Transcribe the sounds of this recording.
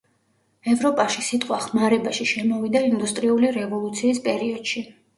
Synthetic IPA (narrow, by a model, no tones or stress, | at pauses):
ɛvɾɔpʼaʃisit̪ʼqʼwaχmaɾɛbaʃiʃɛmɔvid̪aind̪ust̪ʼɾiuliɾɛvɔlˠut̪sʰiːspʼɛɾiɔd̪̥ʃi